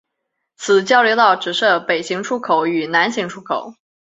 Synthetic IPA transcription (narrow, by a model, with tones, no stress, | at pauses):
t͡sʰɹ̩˨˩t͡ɕjɑ˥ʊjo˧˥ʊt̪ɑ˥˩ʊʈ͡ʂɻ̩˨˩ʂɤ˥˩pe˨˩ɪɕi˧˥ŋʈ͡ʂʰu˥kʰo˨˧˩ʊy˨˩na˧˥nɕi˧˥ŋʈ͡ʂʰu˥kʰo˨˩˦ʊ